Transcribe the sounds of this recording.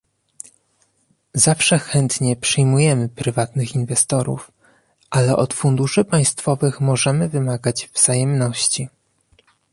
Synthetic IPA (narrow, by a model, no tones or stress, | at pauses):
zafʂɛxɛnt̪ɲɛpʂɘjmujɛmɘpɾɘvat̪nɘxinvɛst̪ɔɾṵf | ʔalɛʔɔt̪fund̪uʂɘpaj̃st̪fɔvɘxmɔʐɛmɘvɘmaɡad͡ʑvz̥ajɛmnɔɕt͡ɕi